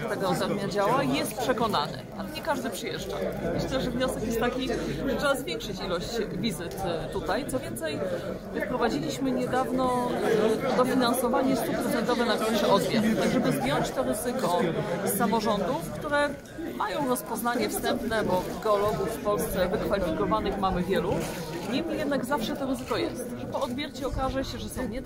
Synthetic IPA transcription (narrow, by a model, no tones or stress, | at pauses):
t̪ɛɡɔɔd̪ɛɾmʲad͡ʑawajɛst̪̚pʂɛkɔna̰nɘ̰alɛɲɛkaʐd̪ɘpʂɘjɛʐd͡ʐa̰mɘɕlɛʐɛvɲɔsɛkjɛt̪ːakʲiʐtʂɛbazvʲjɛŋkʂɘt͡ɕilɔɕt͡ɕvʲizɘt̪t̪ut̪ajt̪sɔvʲjɛnt̪sɛj | pɾɔvad͡ʑilʲiɕmɘɲɛd̪avnɔ | d̪ɔfʲinansɔvaɲɛst̪upɾɛt̪sɛnt̪ɔvɛnakɾaʂɛʔɔd̪mʲɛnt̪t̪aɡʐɛbɘzbʲjɔɲt͡ɕt̪ɔɾɘzɘkɔsːamɔʐɔnd̪ufkt̪uɾɛ | majɔ̃w̃ɾɔspɔznaɲɛfst̪ɛmpnɛbɔɡɛɔlɔɡuffpɔlst̪sɛvɘkfalʲifʲikɔvanɘxmamɘvʲjɛlu | ɲimʲijɛd̪naɡzafʂɛt̪ɔɾɘzɘkɔjɛst̪ʐɛpɔɔd̪bʲjɛɾt͡ɕɛɔkaʐɛɕɛʐɛsɛɲɛ